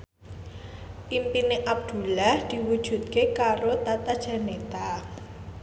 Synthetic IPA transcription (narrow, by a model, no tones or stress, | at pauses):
ʔimpineʔab̚d̪̥ṳlahd̪̥i̤wud̥ʒ̥ṳt̪̚kekaɾot̪at̪ad̥ʒ̥a̤net̪a